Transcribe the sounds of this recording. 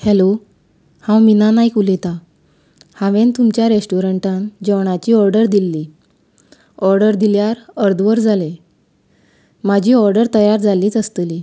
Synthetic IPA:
helo | hãwminanaikulet̪a | hãʋẽnt̪umt͡ɕjaɾesʈuɾəɳʈãnd͡ʑəʋɳ̃at͡ɕiːɔɾɖəɾd̪ilːiː | ɔɾɖəɾd̪iljaɾəɾd̪ʋəɾd͡zʱale | mad͡ʑʱiːɔɾɖəɾt̪əjaɾd͡zaliːt͡səst̪əliː

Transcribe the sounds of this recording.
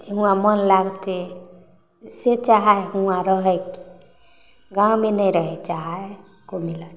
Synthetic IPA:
d͡ʒeɦũãmənlaɡt̪e | set͡ʃaɦaeɦũãɾəɦɛki̥ | ɡãwmenəjɾəɦɛt͡ʃaɦa | komiləʈ

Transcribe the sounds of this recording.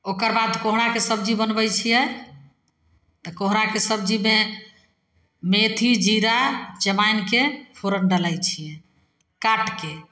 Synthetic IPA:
okəɾbad̪koɦɾakesəbd͡ʒibənbɛjt͡ʃʰijɛ | t̪ɔkoɦɾakesəb̚d͡ʒime | met̪ʰid͡ʒiɾat͡ʃəmajnkepʰoɾənɖəlajt͡ʃʰijɛ | kaʈke

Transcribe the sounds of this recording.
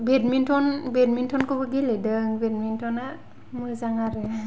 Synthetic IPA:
bedmintʰɔnbedmintʰɔnkɔbɯɡelidɯŋbed̚mintʰɔna | mujzaŋaɾɯ

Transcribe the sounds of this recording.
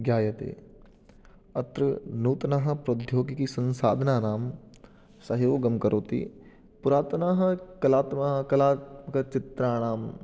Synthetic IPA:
ɡjaːjɐt̪ḛː | ɐt̪ɾɐnuːt̪ɐnaɦɐ̆pɾod̪ʱjoːɡikisɐ̃nsa̰ːd̪ʱɐnaːnaːm | sɐɦjʋoːɡɐmkɐɾoːt̪ḭː | puɾaːt̪naːɦɐkɐlaːt̪mɐɦɐkɐlaːt̪mɐkɐt͡ʃɪt̪ɾaːɽ̃aːm

